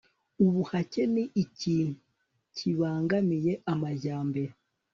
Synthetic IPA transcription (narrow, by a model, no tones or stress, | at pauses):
uβuhace̞niʔːciːnu | cʰiβaːŋɡamije̞ʔamaɟaːmbeɾe